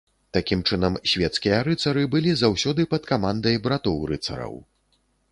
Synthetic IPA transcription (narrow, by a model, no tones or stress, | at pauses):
t̪akʲimt͡ʂɨnɐmsʲvʲɛt̪skʲijɐɾɨt̪sɐɾɨbɨlʲizawsʲɔd̪ɨpɐt̪kamand̪ɐjbɾat̪ɔwɾɨt̪sɐ̰ɾɐ̰w